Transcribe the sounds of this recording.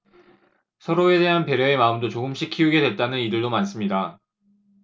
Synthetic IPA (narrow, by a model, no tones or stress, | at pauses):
sʰʌɾoe̞de̞ɦanpe̞ɾjʌe̞maɯmdot͡ɕoɡɯmɕ͈ʰikʰiuɡe̞dwe̞t̚t͈anɯnidɯɭdomans͈ɯmɲida